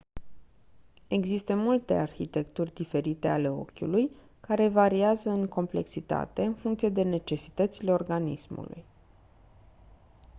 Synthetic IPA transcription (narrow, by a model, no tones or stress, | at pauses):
e̞ɡzist̪əmult̪e̞̰arçit̪e̞kt̪urʲd̪ife̞ɾit̪e̞ale̞o̞̰kʲṵluj | kaɾe̞vaɾiazəɨŋko̞mple̞̰ksit̪a̰t̪e̞ɨnfuŋkt̪sije̞d̪e̞ne̞t͡ʃe̞si̥t̪ət̪sile̞o̞rɡanḭsmṵlṵj